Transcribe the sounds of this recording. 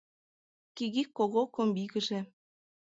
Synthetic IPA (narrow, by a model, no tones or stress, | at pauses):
kiɣikːoɣokombiɣə̆ʒĕ